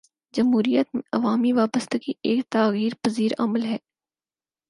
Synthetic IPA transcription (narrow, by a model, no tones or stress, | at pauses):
d͡ʒɐmɦuːɾijət̪mẽɐʋaːmiʋaːbəst̪ekiʔeːkt̪aːɣiːɾpɐziːɾɐ̰məlɦɛː